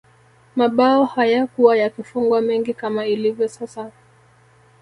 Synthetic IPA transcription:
maɓaɔhajakuwajakifuŋɡwamɛŋɡikamailivjɔsasa

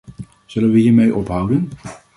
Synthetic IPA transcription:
z̥ɵlənʋəɦiːɹmejʔɔpɦʌwdən

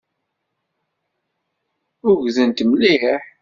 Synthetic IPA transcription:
ʊɾʝzənt̪mliħ

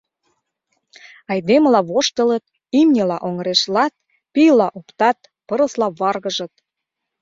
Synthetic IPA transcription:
ɑjd̪eməlɑβoʃt̪ə̆lət̪̚ | imnʲelɑʔoŋəɾeʃlɑt̪̚ | pijlɑʔopt̪ɑt̪̚ | pɤɾə̆slɑβɑrɣəʒə̆t̪̚

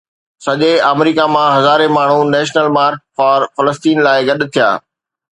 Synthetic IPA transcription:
sɐʄeaːmɾiːkamãɦɐzaːɾemaːɳ̤unɛːʃnəlmaːɾk̚fɔːɾfɐləst̪iːnlaːɪɡɐɗt̪ʰija̰ː

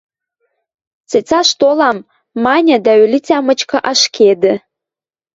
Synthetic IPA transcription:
t͡set͡sɑʃt̪olɑmː | ɑnʲad̪aølʲit͡sʲamət͡ʃkəʔaʃkʲʰed̪ɘ

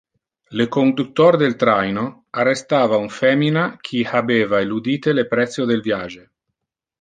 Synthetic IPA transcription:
lekond̪ut̪ːoɾd̪elt̪ɾajno | arːest̪aːvauɱfɛːminakʰiabeːvaelud̪iːt̪elepɾɛt̪sːjod̪elvjaːd͡ʒe

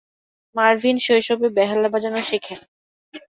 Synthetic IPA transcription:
maɾvʱinʃojʃobebɛɦalabad͡ʑanoʃekʰen

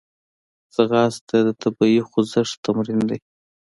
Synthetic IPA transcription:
z̥aɣɑst̪ad̪ət̪ʰabaixʊzəʂt̪amɾind̪aj

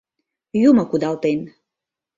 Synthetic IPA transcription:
jumə̆kud̪ɑlt̪en

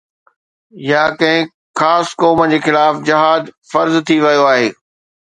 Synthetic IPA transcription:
jaːkɐ̃ɦɪ̃ | xaːskɔːməd͡ʑeːxɪlaːfd͡ʑɐɦaːd̪fɐɾzt̪ʰiʋɐijoaːɦeː

